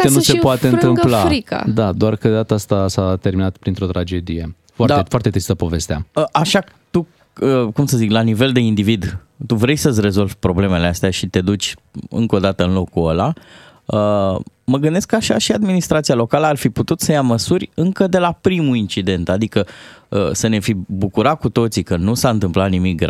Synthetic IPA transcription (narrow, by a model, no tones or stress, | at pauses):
enusepoat̪eɨnt̪ɨmpllaɾika̰d̪ad̪oarkəd̪at̪əast̪asat̪e̞ɾrminat̪pɾint̪ɾo̞t̪ɾad͡ʒe̞d̪ije̞ | foaɾd̪afoaɾrt̪e̞t̪ɾist̪əpo̞ve̞st̪ea̰əʔaʃa | t̪u | əkumsəziklanive̞ld̪e̞ind̪ivid̪ | t̪uvɾe̞jsəsʲre̞zo̞lvʲpɾo̞ble̞me̞least̪eaʃit̪e̞d̪ut͡ʃʲɨ̰ŋko̞d̪at̪əɨnlo̞kkuəla | ə | məɡɨnd̪eskaʃaʃiad̪minist̪ɾat̪sialo̞kaləarfiput̪ut̪səjaməsurʲɨŋkəd̪e̞lapɾimuint͡ʃid̪e̞nt̪ad̪ikəəsəne̞fibukuɾat̚kut̪o̞t̪sikənusaɨnt̪ɨmplat̪nimik̚ɡɾ